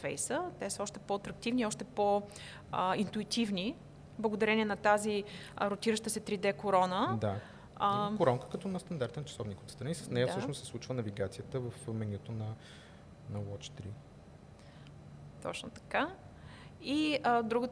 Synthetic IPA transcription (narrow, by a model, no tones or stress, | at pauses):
fɛ̰jsət̪ɛsəɔʃt̪ɛpɔɐt̪ɾɐk̚t̪ivniɔʃt̪ɛpo | əint̪uit̪ivni | blˠəɡod̪ɐɾɛniɛnɐt̪aziɾot̪iɾəʃt̪əsɛt̪ɾid̪ɛkoɾɔnəd̪a | koɾɔŋkə̥kɐt̪ɔnɐst̪ɐnd̪aɾt̪ɛnt͡ʃɐ̥sɔvnikot̪st̪ɾɐnisəsnɛjəsəʃnʊssɛslˠut͡ʃvənɐviɡat̪sijət̪əvəfmɛnʲiɛt̪onɐ | nɐwɔt͡ʃt̪ɾi | t̪ɔ̰t͡ʃno̰t̪ɐ̥ka | iəd̪ɾuɡə